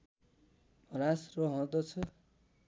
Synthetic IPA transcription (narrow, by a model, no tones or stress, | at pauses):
rasroɦʌ̃d̪ʌt͡sʰʌ